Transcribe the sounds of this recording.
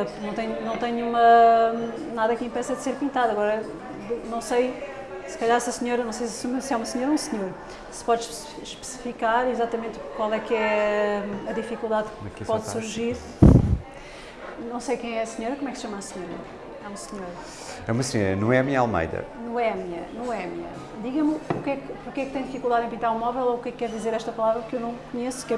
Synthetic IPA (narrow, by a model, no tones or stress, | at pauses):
nɐ̃w̃t̪ɐɲunɐ̃w̃t̪ɐɲumɐ | naðɐkĩpɛsɐd̪seɾpĩnt̪aðɐɣɔɾɐ | nɐ̃w̃sɐj | sɨ̥kɐʎaɾsɐsɲoɾɐnɐ̃w̃sejssosɛumɐsɲoɾũsɲoɾ | sɨ̥pɔðʃ | ʃpɨ̥si̥fikaɾizat̪ɐmẽnt̪kwalˠɛkɛ | ɐðifikulˠd̪aðɛkpɔðsuɾʒiɾ | nɐ̃w̃sejkɐ̃j̃ɛɐsɲoɾɐkomɛksʃɐmasɲoɾɐ | ɛũmɐsɲoɾ | ɛumɐsɲoɾɐ̰nɐ̃w̃ɛɐmiɲalˠmɐ̰jðɐ̰nɐ̃w̃ɛmiɲɐ̰nɐ̃w̃ɛmiɲɐ̰ | d̪iɣɐmukɛkpuɾkɛk̚t̪ɐ̃j̃d̪ifikulˠd̪aðẽpĩnt̪aɾũmɔvɛlˠoukɛkːɛɾðizeɾɛʃt̪ɐpɐlˠavɾɐkewnɐ̃w̃kuɲeskɛ